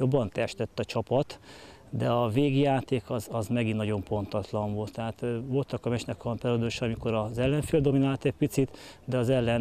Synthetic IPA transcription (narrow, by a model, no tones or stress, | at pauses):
jo̞bːɒnt̪ɛʃt̪ɛt̪ːɒt͡ʃɒpɒt̪ | d̪ɛɒveːɡijaːt̪eːkɒzɒzmɛɡinːɒɟo̞mpo̞nt̪ɒt̪lɒɱvo̞lt̪ːɛɦaːt̪ːvo̞lt̪ɒkɒmɛt͡ʃnɛkɒmpɛɾod̪oʃɒmiko̞ɾɒzɛlːɛɱfeːld̪o̞minaːlt̪ɛc̚pit̪sit̪d̪ɛɒzɛlːɛn